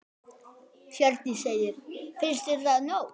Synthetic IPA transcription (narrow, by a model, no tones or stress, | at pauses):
fjœɾt̪nisejɪɾ̥fɪnst̪ɪɾ̥θaðnow